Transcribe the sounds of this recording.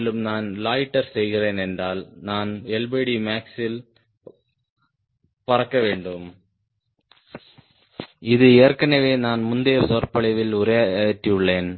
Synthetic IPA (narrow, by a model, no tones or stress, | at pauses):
lɯmnaːnlaːjʈːɐɾsɛjɣɪreːnɛndraːlnaːnɛɭbeɽimaːksɪl | pɐrɐkːɐʋeːɳɖɯm | ɪðɯɛːɐɾkɐnɐʋeːnaːnmʊnd̪eːɾsɔːɾpɐɭɐʋɪlʊɾɐjtːiɯɭːeːn